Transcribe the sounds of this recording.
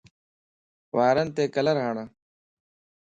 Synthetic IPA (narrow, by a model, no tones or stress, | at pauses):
waːɾənt̪eːkɐlɐɾɦaːɳa